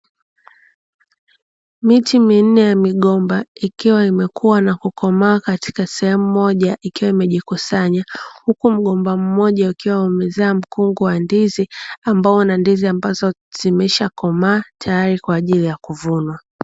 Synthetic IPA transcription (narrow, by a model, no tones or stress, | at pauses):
mitimin̩nɛjamiɠɔmbaikiwaimɛkuwanakukɔmaːkati̥kasɛhɛmumɔʄaʔikiwaimɛʄikusaɲahukum̩ɠɔmbam̩mɔʄaukiwaumɛzaːm̩kuŋɡuwandiziambaɔunandiziambazɔz̥imɛʃakɔmaːtʰajaɾikwaːʄilijakuvunwa